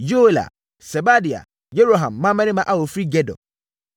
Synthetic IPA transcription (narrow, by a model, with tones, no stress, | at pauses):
jo˦e˦la̰˨ | sɛ˨ba˦di˨a̰˨ | je˦ɾo˨ɦã˨mːã˦mɛ̃˦nɪ̃˦mã˦ʔa˨wo˨fɾi˦ɡɛ˦dɔ̰˨